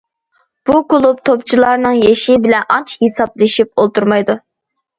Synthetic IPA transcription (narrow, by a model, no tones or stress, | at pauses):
b̥ukʊlˠup̚t̪ʰopt͡ʃʰilˠɑɾnɨŋjeʃɪbɪlɛnɑnt͡ʃʰhisɑblˠɨʃip̚olˠt̪uɾmɑjd̪u